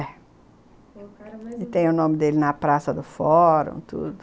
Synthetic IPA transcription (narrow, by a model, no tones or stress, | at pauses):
ɛ | ɪt̪ẽj̃ʊnõmɪd̪elɪnɐpɾasɐd̪ʊfɔɾõ̰t̪ṵd̪ʊ